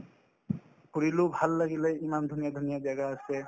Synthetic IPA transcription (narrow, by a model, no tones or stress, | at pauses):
kuɹilʊbʱalːaɡileimand̪ʱunijad̪ʱonijazaɡaːsɛ